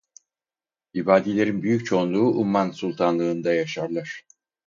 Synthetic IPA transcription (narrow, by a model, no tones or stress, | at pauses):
ibaːd̪ilʲe̞ɾinbyjyc̚t͡ʃʰo̞nlˠuːʔumːansulˠt̪ʰanlˠɯːnd̪ajaʃaɾlˠaɾ̥